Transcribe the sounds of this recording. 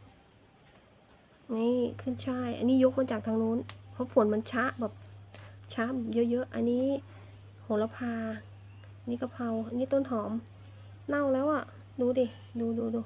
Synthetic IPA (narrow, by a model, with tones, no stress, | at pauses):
ni˧˩kʰɯ˧˥˩nt͡ɕʰaː˧˥˩jʔa̰˧nːiː˦˥jo˦˥k̚maː˧˩t͡ɕaː˨˩k̚t̪ʰa˧ŋnuː˧˥˨npʰɔ˧˥fo˨˩˦nmɛ˧˥nt͡ɕʰa˦˥ʔbɛː˨˩p̚t͡ɕʰa˦˥ʔbɛː˨˩p̚jɤ˧˥ʔjɤ˦˥ʔa˧˨nːiː˦˥˨ | ho˨˦la˧pʰaː˧ | ʔniː˧˥ka˧˩pʰa˧wʔa˧nːiː˦˥t̪o˧˥˨nt̪ʰɔː˨˩˦m | na˧˩˨wlɛː˦˥wʔa˧˩ | duː˧di˧˩ | duː˧duː˧duː˧